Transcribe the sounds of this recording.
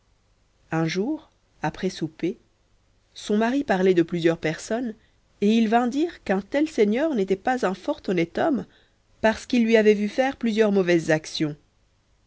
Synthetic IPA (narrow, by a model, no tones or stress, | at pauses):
ɛ̃ʒuːʁ | apχɛsupe | sɔ̃maʁipaʁlɛd̪əplyzjœʁpɛʁsɔn | eilvɛ̃d̪iːʁkɛ̃t̪ɛlsɛɲœʁnet̪ɛpazɛ̃fɔʁt̪ɔnɛt̪ɔm | paʁsə̥kilːɥiavɛvyfɛʁplyzjœʁmɔvɛzːaksjɔ̃